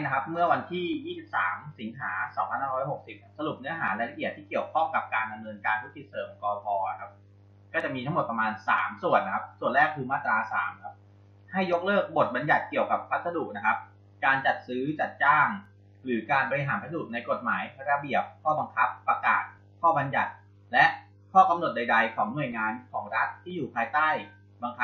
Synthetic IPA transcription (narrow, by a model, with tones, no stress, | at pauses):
na˦kʰa˦˥p̚mɯ˥˩ɐwa˧nt̪ʰiː˥˩jiː˥˩si˨˩p̚saː˩˦msi˩˦nɦaː˩˦sɔ˩˦ŋpʰa˧nhaː˥˩ɾɔ˦˥jho˨˩k̚si˨˩p̚kʰa˦˥sa˧lu˨˩p̚nɯ˦˥ɐɦaː˩˦lɛ˧ɾa˧ʔi˨˩t̪ʰːiː˥˩ki˨˩əwkʰɔ˥˩ŋka˨˩p̚kaː˧nda˧mnɤː˧nkaː˧ntʰu˦˥k̚si˨˩t̪̚sɤː˩˦mkɔː˧fɔː˧a˨˩kʰa˦˥p̚ | kɔː˥˩t͡ɕa˨˩miː˧t̪ʰa˦˥mo˨˩t̪̚p̚ɾa˧maː˧nsa̰ː˩˦msu˨˩ənːa˦˥kʰa˦˥p̚su˨˩ənlɛː˥˩k̚pʰuː˧maː˥˩t̪ːɾaː˧sa̰ː˩˦mkʰa˦˥p̚ | ha˥˩jːo˦˥k̚lɤː˥˩k̚bo˨˩t̪̚ba˧nja˨˩t̪̚ki˨˩əwka˨˩pʰːa˦˥sa˧duː˨˩k̚na˦˥kʰa˦˥p̚ | kaː˧nt͡ɕa˨˩t̪̚sɯː˦˥t͡ɕa˨˩t̪̚t͡ɕaː˥˩ŋ | ɾɯː˩˦kaː˧nbɔː˧ɾi˧ɦaː˩˦npʰa˧duː˨˩t̪̚na˧jko˨˩t̪̚maː˩˦jpʰa˧ɾa˧bi˨˩əp̚kʰɔː˥˩ba˧ŋkʰa˦˥pːa˧ka̰ː˨˩t̪̚ | kʰɔː˥˩ba˧nja˨˩t̪̚ | lɛ˦˥ʔ | kʰɔː˥˩ka˧mno˨˩t̪̚da˧jda˧jkʰɔː˩˦ŋnu˨˩əjŋaː˧nkʰɔː˩˦ŋɾa˦˥t̪ʰːiː˥˩juː˨˩pʰaː˧jt̪aː˥˩j | ba˧ŋkʰa˦˥